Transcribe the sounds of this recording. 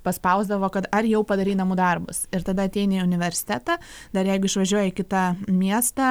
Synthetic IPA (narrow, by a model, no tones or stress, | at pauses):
pɐspɐʊzd̪ɐʋoːkɐt̪ɐrjɛʊpɐd̪ɐɾʲiːnɐmʊd̪ɐrbʊ̰sɪɾt̪ɐd̪ɐɐt̪ʲɛɪnʲeʊnʲɪʋʲɛɾʲsʲɪ̥t̪ʲæːt̪ɑ | d̪ɐɾjɛɪɡʊɪʃʋɐʒʲuɔjɛɪkʲɪt̪ɐmʲiɛst̪ɐ